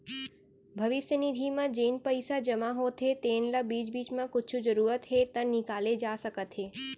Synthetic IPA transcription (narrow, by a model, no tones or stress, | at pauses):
bʱəʋɪʃjənid̪ʱimãd͡ʒenpəjsad͡ʒəmaɦot̪ʰet̪enlabid͡ʒbit͡ʃmãkʊt͡ʃʰũd͡ʒəɾuɾət̪ɦet̪ənikaled͡ʒasəkət̪ɦe